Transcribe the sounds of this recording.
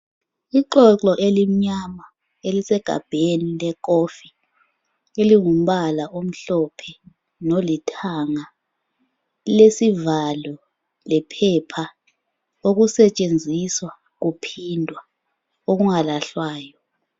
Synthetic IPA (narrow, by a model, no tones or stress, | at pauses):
iǃɔǁɔʔelim̩ɲama | elisɛɡ̥ʱa̰b̥ʱenilɛk̬ofi̥ | eliŋum̩ɓalaʔom̩ɬɔpʰɛ | nolitʰaŋa | lesivalɔ | lɛpʰɛpʰa | ok̬usɛt͡ʃʼend͡zʱiswa | k̬upʰindʱwa | ok̬uŋalaɬwaːjɔ